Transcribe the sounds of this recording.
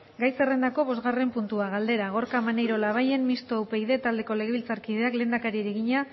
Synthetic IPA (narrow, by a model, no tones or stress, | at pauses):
ɡajse̞re̞nd̪ako̞βo̞zɣare̞mpunt̪uaɣ̞ald̪e̞ɾaɣ̞o̞ɾkamanejɾo̞laβ̞aje̞nmist̪oawpe̞iðe̞t̪ald̪e̞ko̞le̞ɣe̞βilt͡saɾkið̞e̞akle̞ːnd̪akaɾieɾeɣiɲa